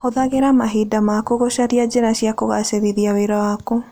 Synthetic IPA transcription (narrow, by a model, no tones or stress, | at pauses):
oðaɣeɾamaɦidamakoɣoʃaɾiad͡ʒenaʃiakoɣaseðiðiaweɾawako